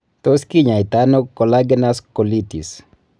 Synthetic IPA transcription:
t̪oskiɲait̪anokolaɡɛnaskolitḭs

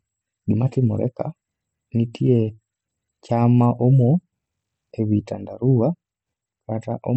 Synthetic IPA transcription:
ɗimatimo̰ɾɛ̰ka | nitʰiɛ | camaʔɔmwɔ | eβitandaɾua | ɾataʔo

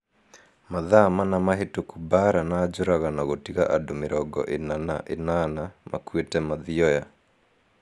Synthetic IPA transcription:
maðamanamaɦetokubaɾanaːd͡ʒoɾaɣanaɣotiɣaʔadomɪɾɔɡɔ̰ʔenana̰ʔenanamʔa̰kwetɛmaðiɔja

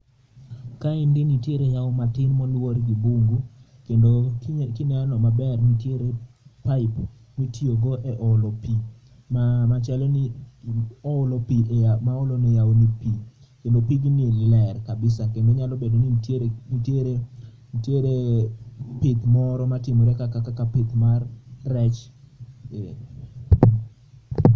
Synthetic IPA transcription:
kaɪndɪnitjeɾejaomatɪnmɔlworɡibuŋɡu | kendokɪnɛanɔmabɛrnitjeɾe | paɪp | mitioɡɔʔɛʔɔlɔpi | mamat͡ʃalɔnɪ | ɔʊlɔpiemaolɔnɪjawnipi | kendopiɡinilɛrkabɪsakendoɲalɔbedoninteɾe | tjeɾe | pɪt̪mɔɾɔmatɪmɔɾɛkakakakapɪt̪marːɛt͡ʃ

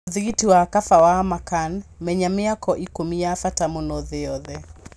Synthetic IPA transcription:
ðiɣitiwakafawamakanmɛɲamɪakɔʔikomiafatamonoðɪɔðɛ

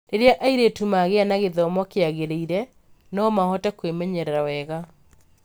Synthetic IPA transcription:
ɾeɾeaʔaiɾetumaɣeanaɣeðɔmɔkeaɣeɾeiɾɛ | nɔmahɔtɛkwemɛɲɛɾɛɾawɛɣa

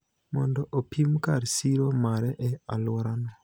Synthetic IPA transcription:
mɔ̰ndɔʔopimkaɾsiɾomaɾɛʔɛalwɔɾanɔ

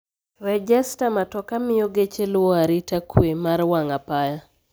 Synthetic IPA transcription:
rɛd͡ʒɛstamatɔkamɪjoɡet͡ʃelwɔaɾitakwemaɾwaŋapaja

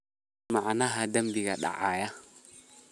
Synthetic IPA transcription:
maanaɦadambiɡaɗa̰ʔaja

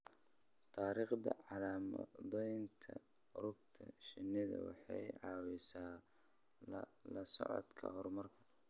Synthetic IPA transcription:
t̪ʰaːɾiːχd̪ɐʕɑlaːmɐ̰ðɔjnt̪ʰɐ | rʊɡ̚t̪ʰɐ̰ʃɪnɪðɐ̰wɑ̰ħɑjʕɑːwɛsaː | lɐsɔ̰ʕɔ̰d̪kʰɐ̰hɔrmɐrkʰɐ̥

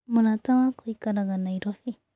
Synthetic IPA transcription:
mʊnat̪amakʊjkaɾɢɑnajɾofɪ

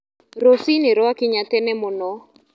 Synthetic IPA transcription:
ɾosinɪɾɔakɪɲatɛnɛmonɔ

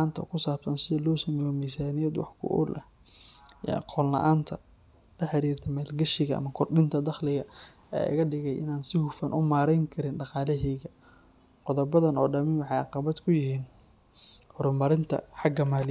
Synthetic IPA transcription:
aːnt̪ʰɐkʰʊsaːbsɐnsɪðɐlɔːsɐmɛjɔmiːsaːnɪjɛd̪wɑ̰ħkʰʊ̰ʔʊ̰lʔɐ̰ | ḭːɑ̰qɔːlːɐ̰ʔaːnt̪ʰɐ | lɐħɐɾiːrt̪ʰɐmaːlɡɐʃɪɣɐʔɐ̰mɐkʰɔrɖɪnt̪ʰɐd̪ɑχlɪɣɐ | ɛ̰ːɪ̰ɣɐɖɪɣɛjʔɪ̰naːnsɪhʊfɐnʔʊmaːɾɛjŋkʰɐɾɪnɖɑqɑːlɛɦɛɣɐ | qɔðɔbɐðɐnɔ̰ːɖɐmɪnwɑħɑjɑqɑβɐd̪kʰʊjɪhiːn | hɔɾʊmɐɾɪnt̪ʰɐ̰ħɑɡɐmaːl

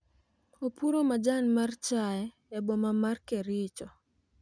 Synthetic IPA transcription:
opuɾomad͡ʒanmart͡ʃaɛ | ɛbɔmamarkeɾɪt͡ʃɔ

